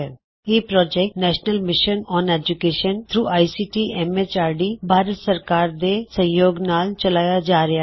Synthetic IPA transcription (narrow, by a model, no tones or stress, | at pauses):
ɛ | eːpɾɔːd͡ʒɛːk̚nɛːʃnəlmɪʃənɔːneːd͡ʒʊkeːʃənt̪ʰɾuːʔaːisiːʈiːʔɛmet͡ʃaːɾɖiːbʱaːɾət̪səɾkaːɾd̪eːsə̃joːɡnaːlt͡ʃəlaːjad͡ʒaːɾɪa